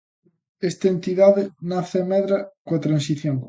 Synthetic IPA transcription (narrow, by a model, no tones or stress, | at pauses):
est̪ɐent̪iðaðɪnaθemɛðɾɐkwɐt̪ɾansiθjoŋ